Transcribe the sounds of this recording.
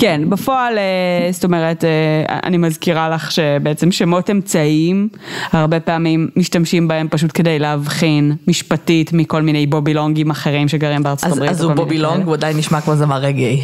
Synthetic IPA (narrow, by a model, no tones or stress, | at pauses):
kenbafoalesto̞meʁetḛa̰nimazkiʁalaχʃe̞beet͡semʃemo̞temt͡saimaʁbe̞peamimːiʃtamʃimbae̞mpaʃ̬utke̞dejleɦavχinmiʃpatitmiko̞lmine̞jbobiloŋɡimaχe̞ʁimʃe̞ɡaʁimbeaʁt͡sotabʁizubobiloŋɡuadainːiʃmakmozemaʁeɡej